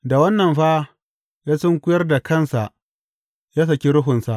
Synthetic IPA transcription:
da˨wɐ˦nːɐ˨mɸaː˦ | jaː˦sɪ˦ŋkʷʊ˦jɐ˦rda˨kɐ˦˨nsa˨ʔ | jaː˦s̬ɐ˨kʲi˦ɾʊ˦ɦʊ˨nsa˨ʔ

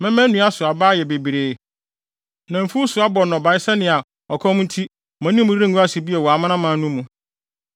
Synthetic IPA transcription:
mɛ̃˦mɛ̃˦nũ˦a˦sʊ˨a˨baː˦˨jɛ˨be˨bi˨ɾeː˨˦ | nã˨m̩˨fu˦sʊ˨a˦bɔ˨nɔ̃˨ba˨˦ɪ˦sɛ˦nɪ̃˨a˨ | ɔ˨kʰɔ̃˦m˦n̩˦tʰi˦ | mã˨nĩ˦mũ˦dɾĩ˦ŋ˨ɡu˦a˦si˨bi˦ɛ˨wɔ˨a˨mã˦nã˦mã˨˦nũ˦mũ˨

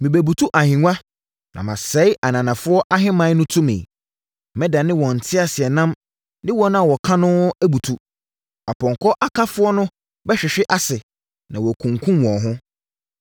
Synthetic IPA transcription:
mĩ˨bɛ˨bu˨tʰu˦ʔa˨hɪ̃˨ŋʷã˦ | nã̰˨mã˨sɛ˦ɪ˦ʔa˨nã˨nã˨fʊ˦ɔ˦ʔa˦ɦɪ̃˦mã˦nʊ̃˦tʰũ˦mɪ̰̃˨ | mɛ̃˦da˨nɪ̃˦wɔ̃˨n̩˨tʰɪ˦a˨sɪ˨ɛ˨nã˦m | nɪ̃˦wɔ˦nʊ̃˦a˨wɔ˨kʰã˦nʊ̃˦æ˦bu˨tʰu˦ | a˨pʰɔ̃˨ŋkʰɔ˦ʔa˦kʰa˦fʊ˦ɔ˦nʊ̃˦ | bɛ˦ɕᶣɪ˨ɕᶣɪ˦ʔa˦sɪ˨ | nã˨wɔ˨kʰũ˨ŋkʰũ˦mwɔ̃˨ɦʊ̃˦

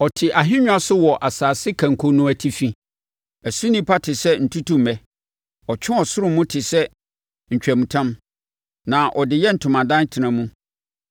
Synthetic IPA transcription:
ɔ˨tʰɪ˨ʔa˨ɦɪ˦ɲᶣʊ̃˦a˦sʊ˦wɔ˨ʔa˨saː˨sɪ˦kʰæ̃˨ŋ̩˨kʰo˦nũ˦æ˨tʰi˦fĩ˦ | æ˨su˦nĩ˦pʰa˦tʰɪ˨sɛ˦n̩˨tʰu˦tũ˦m̩ː˨ɛ˨ | ɔ˨t͡ɕʰᶣɪ̃˦ɔ˨sʊ˦ɾʊ̃˦mːʊ̃˦tʰɪ˨sɛ˦ | ɲ̩˨t͡ɕᶣæ˨mũ˨tʰã˦m | nã˨ʔɔ˨dɪ˨jɛ˦n̩˨tʰʊ̃˨mã˨dã˦tʰɪ˨nã˨mũ˦

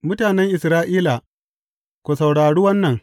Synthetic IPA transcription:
mʊ˦taː˨nɛ˦ŋʔɪ˨sɾaː˦ʔiː˦la˨ | kʷo˨sɐ˨wɽaː˨ɽuː˦wɐ˦nːɐ˨ŋ

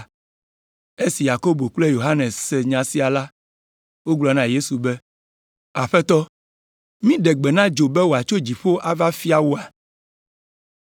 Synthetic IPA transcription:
e˦si˨ja˨ko˦bo˨k͡ple˦jo˨ɦa˦nɛ˨ssɛ˨ɲã˨si˦a˨la˦ | wo˦ɡ͡blɔ˨nã˦je˦su˨bɛ˦ | a˨ɸɛ˦t̪ɔ˦ | mĩ˦ɖɛ˨ɡ͡bɛ˨nã˦d͡ʒo˨bɛ˦wo˨a˨t͡ʃo˦d͡ʑi˨ɸo˦ʔa˦va˦fi˦a˦wo˦a˨

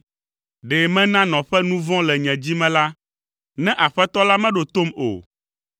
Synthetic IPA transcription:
ɖɛ˨mɛ̃˦nã˦nɔ̃˨ɸɛ˦nũ˦vɔ̃˦lɛ˨ɲɛ̃˨d͡ʑi˦mɛ̃˦la˦ | nɛ̃˦ʔa˨ɸɛ˦t̪ɔ˦la˦mɛ̃˦ɖo˨t̪o˦mo̰˨

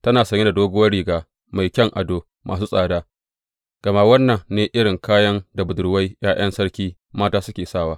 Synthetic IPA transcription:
tɐ˦naː˨sɐ˨˦ɲe˦da˨doː˦ɡʊ˦wɐ˦ɽiː˨ɡaː˨ | ma˨jkʲɐ˦ŋʔa˨doː˦ | mʔa̰ː˨s̬uː˦sʼaː˨daː˦ | ɡ̥ɐ˨ma˦wɐ˦nːɐ˨ŋneː˨ʔɪ˦ɽɪ˨ŋkaː˦jɐ˦nda˨bʊ˨dʊ˨ɽwa˦jj̰aː˦j̰ɐ˦nsɐ˦ɽkʲiː˦ | maː˦taː˦sʊ˦kʲeː˨saː˦˨waː˦

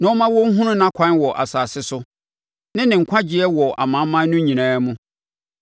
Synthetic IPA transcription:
nã˨˦ɔ˦mã˦wɔ˦ŋ̩˦ɦũ˦nʊ̃˦nã˦kʰã˦nwɔ˨ʔa̰˨saː˨sɪ˦sʊ˦ | nɪ̃˦nɪ̃˨ŋ̩˨kʷʰã˦d͡ʑɪ˨ɛ˦wɔ˨ʔa̰˨mã˨˦mã˦nʊ̃˦ɲĩ˨nãː˨˦mũ˦

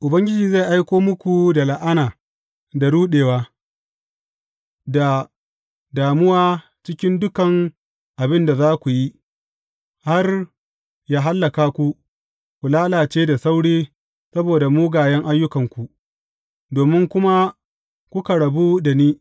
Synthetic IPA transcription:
ʔʊ˨bɐ˦ŋɡʲɪ˦d͡ʒiː˨za˦˨ʔa˦jkʷoː˦mʊ˦kʷu˨da˨la˨ʔa˦naː˨ | da˨ɽuː˦ɗeː˨waː˦ | da˨ | daː˨mʊ˦waː˦ | t͡ʃɪ˦kʲɪ˦ndʊ˦kɐ˨ŋ | ʔa˨bɪ˦nda˨zaː˦kʷu˨ji˦ | ha˦r | jaː˦ɦa˦lːɐ˨kaː˦kʷu˦ | kʷu˨laː˦laː˨t͡ʃeː˦da˨sa˦wɽiː˦ | sɐ˦boː˨da˨muː˦ɡaː˨jɛ˦ŋʔa˦jːʊ˦kɐ˨ŋkʷu˨ | doː˨mɪ˦ŋkʷʊ˦ma˦ | kʷʊ˦ka˨ɽɐ˨bu˦da˨niː˦

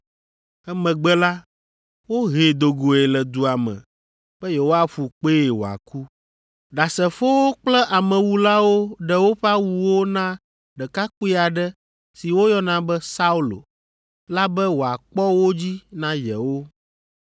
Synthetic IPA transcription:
ɛ˦mɛ̃˨ɡ͡bɛ˦la˦ | wo˦ɦe˨d̪o˨ɡo˨e˨lɛ˨d̪u˨a˨mɛ̰̃˨ | b̥ɛ˦je˨wo˦a˦fu˨k͡pe˦e˨wo̰˨a̰˨ku˦ | ɖa˨sɛ˨fo˦wo˦k͡plɛ˦ʔa˨mɛ̃˨wu˦la˦wo˦ɖɛ˦wo˦ɸa˦wu˨wo˦nã˦ | ɖɛ˨ka˦k͡pu˦i˦a˨ɖɛ˦ | si˨wo˦jɔ˦nã˦bɛ˦sa˦u˦lo̰˨ | la˦bɛ˦wo˨a˨k͡pɔ˦wo˦d͡ʑi˦nã˦jɛ˨wo˦

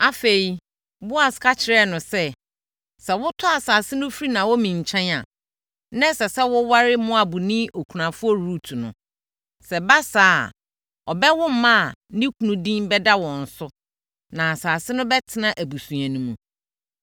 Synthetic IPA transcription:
a˦fe˨i˨ | bʊ˦a˨skʰa˦t͡ɕʰɪ˨ɾɛ˦nʊ̃˨sɛ˦ | sɛ˨wʊ˦tʰʊ˦a˨saː˨sɪ˦nʊ̃˦fɾi˦nã˨wɔ˦mĩ˨ɲ˨t͡ɕʰɛ̃˦na˨ | nɛ̃˦sɛ˨sɛ˦wʊ˦wa˦ɾɪ˦mʊ̃˦a˨bu˨nĩ˦ʔo˨kʰu˨ã˨fʊ˦ɔ˦ɾu˦tʰu˨nʊ̰̃˨ | sɛ˨ba˦saː˨˦a˨ | ɔ˨bɛ˦wʊ̃˦m̩˦mã˦a˨nĩ˦kʰu˨nũ˦dĩ˦mbɛ˦da˦wɔ̃˨n̩˨sʊ˦ | nã˨a˨saː˨sɪ˦nʊ̃˦bɛ˦tʰɪ˦nã˦ʔæ˨bu˨sũ˨æ̃˨nũ˦mũ˨

